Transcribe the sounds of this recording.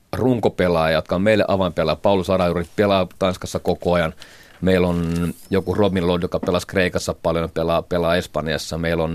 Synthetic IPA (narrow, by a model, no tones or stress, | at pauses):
ruŋkopelɑːjɑjot̪̚kɑommeilːḛʔɑ̰ʋɑmpelˑɑːpɑulusɑrɑjuripelɑːt̪ɑnskɑsːɑkokoɑjɑn | meilonjokurobillonjokɑpelɑskreikɑsːɑpɑljompelɑːpelɑːespɑnjɑ̰sːɑmeilon